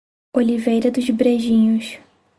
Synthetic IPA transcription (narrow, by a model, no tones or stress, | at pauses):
olivejɾɐd̪ʊzbɾeʒĩɲʊs